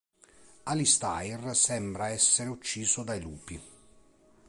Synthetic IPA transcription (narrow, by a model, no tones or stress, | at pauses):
alist̪ajrsɛmbɾaɛsːeɾeut͡ʃːiːzod̪ajluːpi